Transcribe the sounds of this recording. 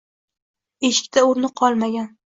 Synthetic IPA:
e̞ʃɪ̥k̚ʲt̪ʰaoɾnɪqʰɒlˠmaɡʲan

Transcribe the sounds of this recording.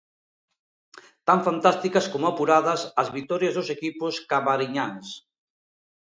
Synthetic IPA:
t̪aɱfant̪ast̪ikɐskomoapuɾaðɐsɐzβit̪ɔɾjɐzðosekipʊskaβaɾiɲaŋs

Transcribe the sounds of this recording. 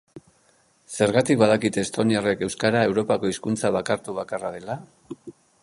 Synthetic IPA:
se̞ɾɣat̪ikbað̞akit̪est̪o̞niare̞ke̞wskaɾae̞wɾo̞pako̞iskunt͡saβ̞akaɾt̪uβakaraðe̞la

